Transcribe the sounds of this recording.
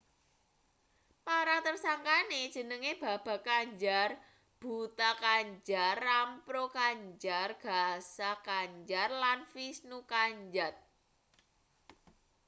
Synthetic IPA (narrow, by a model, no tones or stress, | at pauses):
paɾaŋt̪ərsaŋkanedd͡ʒʒ̥ə̤nəŋeb̥a̤b̥a̤kaɲd͡ʒar | b̥ṳt̪akaɲd͡ʒarampɾokaɲd͡ʒarɡ̥a̤sakaɲd͡ʒarlanfisnukaɲd͡ʒat̪̚